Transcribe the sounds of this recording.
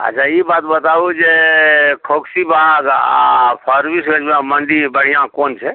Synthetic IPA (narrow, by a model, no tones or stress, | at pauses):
ə̰t͡ʃʰaibat̪bət̪aud͡ʒekʰoksibʱaɡa̰pʰəɾbisɡəd͡ʒbãmənd̪ibəɽ̤ijãkont͡ʃʰɛ